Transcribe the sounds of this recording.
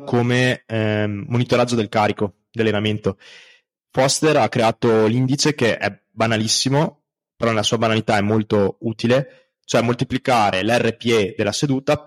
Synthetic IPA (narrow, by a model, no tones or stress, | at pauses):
kʰomeɛmonit̪oɾad͡ʒːod̪elkaːɾiko | d̪ialːenament̪o | fɔst̪eɾakːɾeaːt̪olind̪it͡ʃek̟eʔɛ̰ | banalisːimo | peɾɔnelasuːabanalit̪aɛmːolt̪ouːt̪ile | t͡ʃoɛmːolt̪iplikaːɾelɛrːepied̪elːased̪uːt̪a